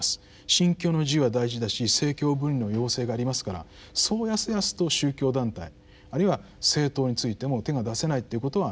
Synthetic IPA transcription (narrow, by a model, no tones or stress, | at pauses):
sɨ̥ | ɕĩŋkʲo̞ːno̞ʑiβad̪aiʑid̪aɕise̞ːkʲo̞ːbɯ̟̃ɾʲino̞jo̞ːse̞ːɡaːɾʲimasɨ̥kaɾa̰ | so̞ːjasɨjasɨ̥t̪o̞ɕɨːkʲo̞ːd̪ãnt̪a̰i | aɾɯiβa | se̞ːt̪o̞ːɲ̟it͡sɨit̪e̞mo̞t̪e̞ɡad̪ase̞nait̪ːe̞iɯ̟ko̞t̪o̞βa